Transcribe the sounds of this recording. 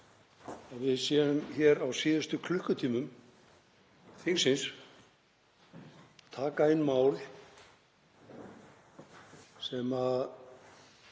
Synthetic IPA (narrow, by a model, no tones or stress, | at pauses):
avɪðsjɛːðʏmçɛɾawsiːðʏst̪ʏkʰlʏhkʏt̪ʰiːmʏm | θiŋsɪns | t̪ʰaːkaenːmaːwl | sɛma